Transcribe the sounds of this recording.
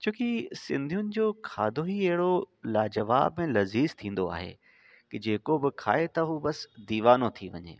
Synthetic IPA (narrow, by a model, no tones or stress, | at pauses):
t͡ɕʰoːkisɪ̃nd̪ʱijʊnɪ̆d͡ʑoːkʰaːd̪ʱoɦiɐɦɪɽolaːd͡ʑɐʋa̰ːbmẽlɐziːzt̪ʰĩːn̆d̪oa̰ːɦḛ | kɪd͡ʑeːkobɪkʰa̰ːet̪ɐɦuːbɐsd̪iːʋaːnot̪ʰiʋɐ̰ɲḛː